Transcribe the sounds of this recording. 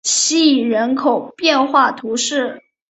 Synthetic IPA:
ɕi˥i˨˩ɻə˧˥nkʰo˨˩ʊpjɛ˥˧nxwa˥˩t̪ʰu˧˥ʂɻ̩˥˩

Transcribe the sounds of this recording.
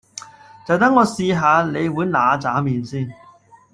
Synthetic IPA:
t͡sɐ˨wt̪ɐ˥ŋɔː˨˧siː˧ɦaː˨˧le˨˧jwuː˨˥jnaː˨˧t͡saː˨˥miː˨nsiː˥˩n

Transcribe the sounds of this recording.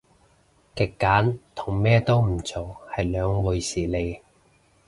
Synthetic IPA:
kɪ˨kːaː˨˥nt̪ʰʊ˨˩ŋmɛː˥t̪o˥wm̩˨˩t͡sʰoː˨˩hɐ˨jlœː˨˧ŋwu˨˧jsiː˨˩le˨˧j

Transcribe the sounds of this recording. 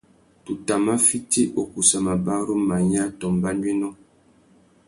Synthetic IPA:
tu˨ta˨ma˦fi˦ti˦ʔo˦ku˨sa˨ma˨ba˦ɾu˦ma˨ɲa˦tɔ˨mba˦nwe˦nɔ˦

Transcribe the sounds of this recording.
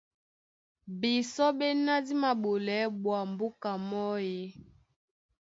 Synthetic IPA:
bi˨sɔ˦be˦na˦di˦ma˨bo˨lɛ˨˦ɓwa˨mbu˦ka˨mɔ˦je˦

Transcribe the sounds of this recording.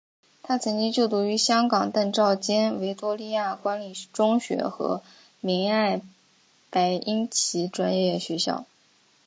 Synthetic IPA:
t̪ʰa˥t͡sʰɤ˧˥ŋt͡ɕi˥ŋt͡ɕjo˥˩ʊt̪u˧˥y˧˥ɕjɑ˥ŋkɑ˨˩ŋt̪a˥˧nʈ͡ʂɑ˥˩ʊt͡ɕjɛ˥nwe˧˥ɪt̪wɔ˥li˥˧ja˥˩kwa˧˥nli˨˩ʈ͡ʂʊ˥ŋɕɥɛ̰˧˥xɤ̰˧˥ | mi˧˥ŋa˥˩ɪ | pa˧˥ɪʔi˥nt͡ɕʰi˧˥ʈ͡ʂwa˥njɛ˥˩ɕɥɛ˧˥ɕjɑ̰˥˩ʊ

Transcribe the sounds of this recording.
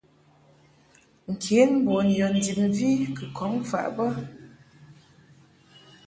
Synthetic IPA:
ŋ̩˨kʰe˨˦nm̩˦bɔ˨n̩˨jɔ˨n̩˨di˨p̚m˨vi˦kɨ˨kʰɔ˨˦ŋfa̰˨ʔbə˦

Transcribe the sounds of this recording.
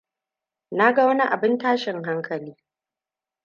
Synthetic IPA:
na˦ɡa˦wɐ˦ni˦ʔa˨bɪ˦ntaː˦ʃɪ˨ŋɦa˦ŋkʰɐ˨liː˦

